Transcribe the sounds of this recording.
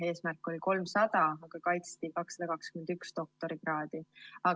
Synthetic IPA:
e̞ːsmærkːˑo̞lʲiko̞lmsɑd̪̥ɑɑɡ̥ɑkɑjt̪st̪ikɑksːɑd̪̥ɑkɑkskyme̞nd̪ykst̪o̞k̚t̪o̞ɾiɡ̥rɑːd̪̥iɑ

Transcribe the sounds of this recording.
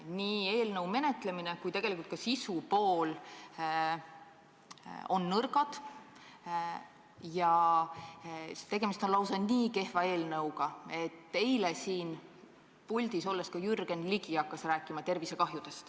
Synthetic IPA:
niːeːlnɤwme̞ne̞t̪ˑle̞minekujt̪e̞ɡ̥elikult̪kɑsisupo̞ːl | o̞̰nːɤrɡɑd̪̥ | jɑ | t̪e̞ɡ̥e̞mist̪o̞nlɑwsɑniːke̞hvɑe̞ːlnɤwɡ̥ɑe̞t̪ːe̞jlesiːn | pulʲd̪̥iso̞lːeskɑjyrɡ̥e̞nliɡ̥iɑkːɑsræːkːˑimɑt̪e̞rvise̞kɑɦjud̪e̞st̪

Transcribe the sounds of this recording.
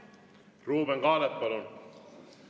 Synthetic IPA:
ruːbeŋɡɑːlet̪̚pɑlun

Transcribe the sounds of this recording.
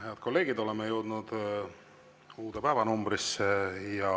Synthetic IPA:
heɑd̪̥̚ko̞lːe̞ːɡ̥id̪o̞le̞mejəwd̪̥nud̪̥ | uːd̪epæːvɑnumbrisːejɑ

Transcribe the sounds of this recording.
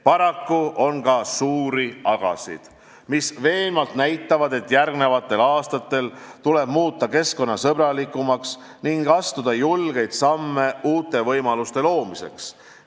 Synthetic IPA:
pɑɾɑkːuo̞nkɑsuːɾiɑɡ̥ɑ̰sḭd̪̥ | misve̞ːlmɑlt̪næjt̪ːˑɑvɑd̪e̞t̪ːˑjærɡne̞vɑt̪ːˑe̞lɑːst̪ɑt̪ːˑe̞lt̪ule̞b̥muːt̪ːˑɑke̞sko̞nːɑsɤbɾɑlikːˑumɑks | niŋɡ̥ɑst̪ud̪̥ɑjulɡ̥e̞jd̪̥sɑmːe̞uːt̪ːˑe̞vɤjmɑlust̪e̞lo̞ːmise̞̰ks

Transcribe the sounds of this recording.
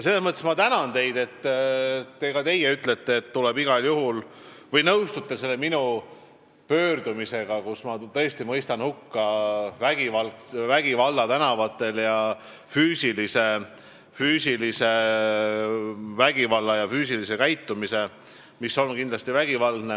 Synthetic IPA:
jɑs̬elesmɤt̪ːˑesmɑt̪ænɑnt̪e̞jd̪e̞t̪ːt̪ːe̞kɑt̪e̞jeyt̪le̞t̪ˑːeːt̪ːulɛbiɡ̥ɑljuhul | vɤjnɤwst̪ut̪ˑːese̞lːeminu | pø̞ːrd̪̥umise̞ɡ̥ɑkusmɑt̪ɤ̞est̪imɤjst̪ɑnhukːɑvæɡ̥ivɑlkvæɡ̥ivɑlːɑt̪ænɑvɑt̪ˑːe̞ljɑ | fyːsilise̞ | fyːsilise̞ | væɡ̥ivɑlːɑjɑfyːs̬ilise̞kæjt̪ːumise̞ | misːo̞nkind̪lɑst̪ivæɡ̥ivɑlne

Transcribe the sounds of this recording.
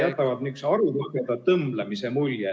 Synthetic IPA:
jæt̪ˑːɑvɑd̪nyksɑɾulɑɡed̪̥ɑt̪ɤmblemisemulje

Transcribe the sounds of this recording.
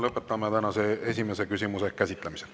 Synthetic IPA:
lɤpːˑe̞t̪ːˑɑmet̪ænɑseesʲime̞se̞kysʲimuse̞kæsʲit̪ˑlemise

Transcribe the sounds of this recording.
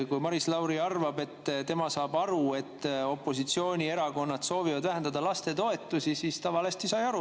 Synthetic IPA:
jkujmɑɾislɑwɾiɑrvɑbe̞t̪ːt̪e̞mɑsɑːbɑɾue̞t̪ːo̞pˑːo̞sit̪sio̞ːnʲie̞ɾɑko̞nːɑt̪so̞ːvivɑd̪væɦend̪ɑd̪ɑlɑst̪e̞t̪o̞e̞t̪ːˑusisiːst̪ɑvɑle̞st̪isɑjɑɾu

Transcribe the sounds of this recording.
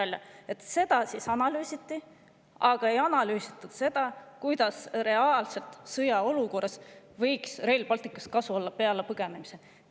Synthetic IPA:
ɑlʲːjɑ̰e̞t̪ːˑse̞d̪̥ɑsisɑnɑlyːsit̪ːˑi | ʔɑɡ̥ɑe̞jɑnɑlyːsit̪ːˑud̪̥se̞d̪̥ɑkujd̪̥ɑsre̞ɑːlse̞lt̪sɤjɑo̞luko̞ːres | vɤjksre̞jlpɑlt̪ˑikːˑɑ̥st̪̚kɑsuo̞lːɑpe̞ɑlepɤɡ̥e̞ne̞mise̞

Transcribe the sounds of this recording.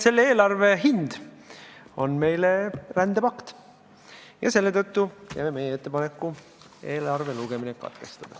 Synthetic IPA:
se̞lːeeːlɑrve̞ɦind̪̥ | o̞̰nme̞jlerænd̪̥epɑkt̪ | jɑ̰se̞lːet̪ɤt̪ːukæ̰jmeme̞jeet̪ːpɑnekːu | e̞ːlɑrve̞luɡe̞minekɑ̰t̪ke̞st̪ɑd̪̥ɑ

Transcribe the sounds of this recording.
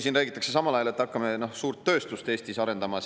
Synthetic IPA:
siːnræːɡ̥it̪ːˑɑkse̞sɑmɑlɑjɑle̞t̪ːɑkːɑme̞no̞hsuːrt̪ːø̞ːst̪ust̪e̞ːst̪isɑɾe̞nd̪̥ɑmɑ

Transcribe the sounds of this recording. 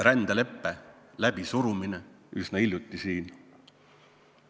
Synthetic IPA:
ɾænd̪̥ele̞pːe | læb̥isuɾumine | ysnɑiljut̪ːˑisiːn

